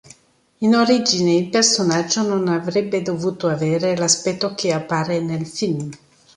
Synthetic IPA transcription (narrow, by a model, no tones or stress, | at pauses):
inoɾid͡ʒineilpersonad͡ʒːononavɾɛbːed̪ovuːt̪oaveːɾelaspɛt̪ːokʰeapːaːɾenelfilm